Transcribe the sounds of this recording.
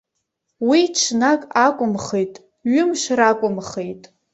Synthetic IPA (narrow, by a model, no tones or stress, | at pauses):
wiʈ͡ʂʰnakʼakʷʼʊmχejtʼ | ɥʊmʃrakʷʼʊmχejtʼ